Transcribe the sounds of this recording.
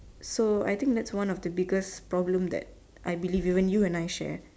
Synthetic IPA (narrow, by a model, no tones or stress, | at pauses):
soa̰jt̪ɪ̃ŋk̚d̪ɛtswãnɔfd̪əbiɡəspɹɔblə̃md̪ɛ̰t̚ | ʔajbilivivə̃njuɛ̃najʃɛ̰